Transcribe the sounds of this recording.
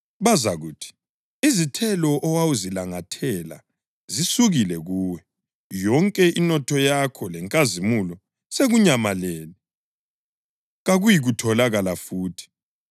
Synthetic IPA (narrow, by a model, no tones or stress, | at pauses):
βazaɣuːtʰi̥ | izitʰɛlɔʔɔwawuzilaŋatʰɛla̰ | zisuɣilɛɣuːwɛ | jɔŋkʼɛʔinɔtʰɔjakʰɔlɛŋkʼazimulɔ | seɣuɲamalɛːli | ɣaɣujiɣutʰɔlaɣalafuːtʰi̥